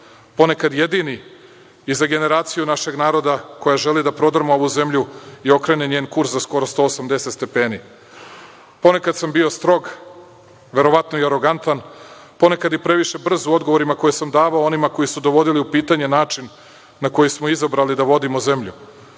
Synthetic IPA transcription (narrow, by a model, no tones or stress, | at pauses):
po̞ne̞kad̪je̞d̪ini | izaɡe̞ne̞ɾaːt̪sijunaʃe̞ɡnaːɾo̞d̪ako̞jaʒe̞lid̪apɾo̞d̪r̩moo̞ʋuze̞mʎuio̞kɾe̞neɲeːnkuɾszasko̞ɾo̞st̪o̞ːosamd̪e̞set̪st̪e̞peːni | po̞ne̞kad̪sambio̞st̪ɾo̞ɡ | ʋe̞ɾo̞ʋat̪noiaɾo̞ɡant̪an | po̞ne̞kad̪ipɾe̞ʋiʃe̞br̩zuo̞d̪ɡoʋo̞ɾimako̞jesamd̪aːʋaoo̞nimako̞jisud̪o̞ʋo̞d̪iliupiːt̪aɲe̞naːt͡ʂinː | ako̞jismo̞izabɾalid̪aʋo̞d̪imoze̞mʎu